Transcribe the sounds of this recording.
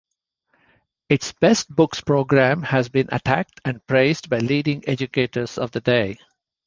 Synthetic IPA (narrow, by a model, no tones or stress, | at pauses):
ɪʈsb̥ɛsʈ̚bʊkspɹoːɡɾæ̃mhæzbĩnʔə̰ʈʰæk̚ʈʰæ̃ɳ̚pɾeɪzdbaɪliːɖɪ̃ŋɛd͡ʒʊkeːʈəɾz̥ɔ̰vd̪əɖeɪ